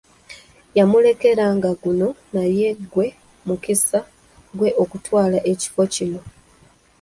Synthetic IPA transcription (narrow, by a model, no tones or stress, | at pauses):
jamule̞ke̞ɾaŋɡaɡuno̞naje̞ɡwe̞ | mukisa | ɡwe̞ʔo̞kutwaːlaʔe̞ci̥fo̞cino̞